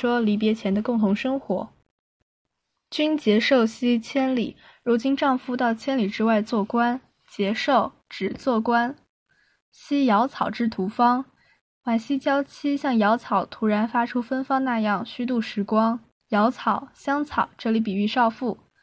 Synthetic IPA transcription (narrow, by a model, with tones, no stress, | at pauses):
ʂwɔ˥li˧˥p̬jɛ˧˥t͡ɕʰjɛ˧˥nd̪ə˧kʊ˥˩ŋt̪ʰʊ˧˥ŋʂɤ˥ŋxwɔ̰˧˥ | t͡ɕy˥nt͡ɕjɛ˧˥ʂo˥˩ʊɕi˥t͡ɕʰjɛ˥nlḭ˨˩ | ɻu˧˥t͡ɕi˥nʈ͡ʂɑ˥˧ŋfu˥˧t̪ɑ˥˩ʊt͡ɕʰjɛ˥nli˨˩ʈ͡ʂɻ̩˥wa˥˧ɪt͡swɔ˥˩kwa˥n | t͡ɕjɛ˧˥ʂo˥˩ʊ | ʈ͡ʂɻ̩˨˩t͡swɔ˥˩kwa˥n | ɕi˥jɑ˧˥ʊt͡sʰɑ˨˩ʊʈ͡ʂɻ̩˥˩t̪ʰu˧˥fɑ˥ŋ | wa˨˩nɕi˥t͡ɕjɑ˥ʊt͡ɕʰi˥ɕjɑ˥˩ŋjɑ˧˥ʊt͡sʰɑ˨˩ʊt̪ʰu˧˥ɻa˧˥nfa˥ʈ͡ʂʰu˥fə˥nfɑ˥ŋna˥˧jɑ˥˩ŋɕy˥t̪̬u˥˩ʂɻ̩˧˥kwɑ˥ŋ | jɑ˧˥ʊt͡sʰɑ˨˩˦ʊɕjɑ˥ŋt͡sʰɑ˨˩˦ʊʈ͡ʂɤ˥˩li˧˥p̬i˨˩y˥˧ʂɑ˥˧ʊfu˥˩